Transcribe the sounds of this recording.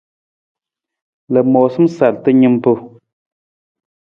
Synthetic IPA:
lə˨mɔ˨sɨ˦m˦sa˨ltɨ˦ɲɨ˦m˦pu˦

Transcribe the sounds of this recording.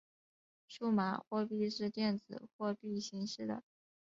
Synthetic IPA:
ʂu˥˩ma̰˧˥˦xwɔ˥˧pi˥˧ʂɻ̩˥˧t̪jɛ˥˩nd͡zɹ̩˨˩xwɔ˥˧pi˥˩ɕi˧˥ŋʂɻ̩˥˩d̪ə̰˩

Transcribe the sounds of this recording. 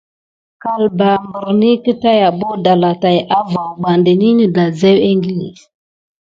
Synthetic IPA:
ka˨lba˨mbə˨ɾni˦kə˦ta˦ja˨bo˦da˨la˨ta˨jʔa˦va˨ɓa˨ndə˨ni˦nə˨da˨ze˦we˦ŋɡi˦lḭ˨

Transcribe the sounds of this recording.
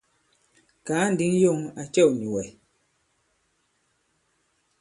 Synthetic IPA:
kaː˨˦n̩˨di˦ŋ˦jo˦˨ŋa˨t͡ʃɛ˦˨wni˨wɛ˨

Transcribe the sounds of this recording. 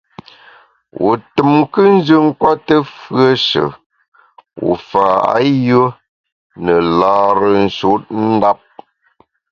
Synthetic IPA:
wʔṵ˨tɨ˨mkə˦n̩˦d͡ʒə˦ŋ̩˦kwa˦tə˦fɰə˦ʃə̰˨ | wṵ˨fa˨a̰˦jə˦ | nə˨laː˨ɾə˨n̩˨ʃo˦t̚n̩˦da˦p̚

